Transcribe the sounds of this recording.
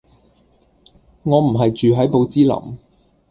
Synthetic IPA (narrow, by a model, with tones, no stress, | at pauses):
ŋɔː˨˧m̩˨˩ɦɐ˨jt͡ʃyː˨ɦɐ˨˥jpo˨˧wt͡siː˥lɐ̰˨˩m